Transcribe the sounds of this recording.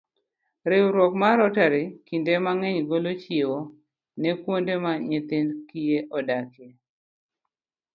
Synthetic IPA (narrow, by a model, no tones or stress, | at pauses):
ɾɪwɾɔkmaɾɔtaɾɪkindemaŋɛɲɡolot͡ʃewo | nɛkwondemaɲet̪ɪnkijeʔɔdake